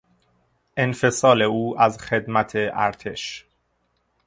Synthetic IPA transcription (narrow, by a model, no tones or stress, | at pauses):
ʔe̞nfe̞sɒːle̞uːʔæzxe̞d̪mæt̪ʰe̞ʔæ̰ɾt̪ʰe̞ʃ